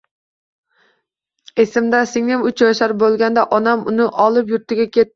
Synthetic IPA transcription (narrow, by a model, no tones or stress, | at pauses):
e̞sɪmd̪asɪŋnɪmʊt͡ʃʰjɒjʃaɾbolˠɡʲand̪aʔɒnamʊnɪʔɒlˠɪp̬jʊɾt̪ɪɡʲakʲʰe̞t̪̚ː